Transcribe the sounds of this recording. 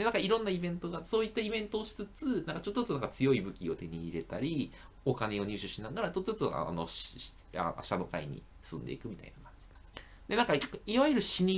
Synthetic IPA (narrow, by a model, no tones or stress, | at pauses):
d̥̪e̞nãŋkaiɾõ̞nːaibẽ̞nt̪o̞ɡaso̞ːit̪ːaibẽ̞nt̪o̞ːɕi̥t͡sɨt͡sɨnãŋkat͡ɕo̞t̪ːt͡sːonãŋkat͡sɨjo̞ibɯ̟kʲio̞t̪e̞ɲ̟iːɾe̞t̪aɾʲi | o̞kane̞o̞ɲ̟ʲɨːɕɨɕinaɡaɾat͡ɕot̪ːot͡sa̰no̞̰ɕ | a̰ɕano̞kaḭɲ̟ḭ | sɨ̃nd̪e̞ikɯ̟mʲit̪a̰inakḁ̃ɲ̟d͡ʑi | d̪e̞nãŋkaiβajɯ̟ɾɯ̟ɕiɲ̟i